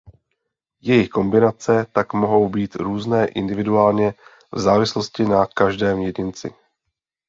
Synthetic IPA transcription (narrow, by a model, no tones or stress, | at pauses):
jɛjɪxko̞mbɪnat͡sɛt̪akmo̞ɦo̞wbiːt̪ɾuːznɛːʔɪ̰ndɪvɪduaːlɲɛ | vzaːvɪslo̞scɪnakaʒdɛːmjɛɟɪnt͡sɪ̰